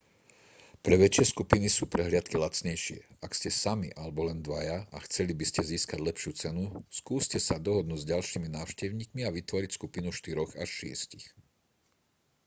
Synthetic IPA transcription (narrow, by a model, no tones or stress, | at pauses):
pɾɛʋɛt͡ʃɪɛskupinisuːpɾɛɦlɪat̪kilat͡sɲɛjʃɪɛ̰akscɛsamiʔalɛbɔlɛnd̪ʋajaaxt͡sɛlibiscɛziːskaɟlɛpʃɪuːt͡sɛnuskuːscɛsad̪ɔɦɔd̪nuːɟzɟalʃiːminaːʊʃcɛʊɲiːkmiaʋit̪ʋɔɾicskupinuʃt̪iɾɔɣaʃːɪɛ̰scix